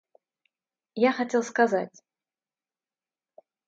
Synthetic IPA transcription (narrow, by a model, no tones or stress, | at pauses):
jaxatʲelˠskazatʲ